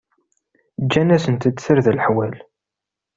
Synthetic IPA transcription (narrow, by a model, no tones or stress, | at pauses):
d͡ʒːænæsənt̪ət͡sːsəɾðlħwæl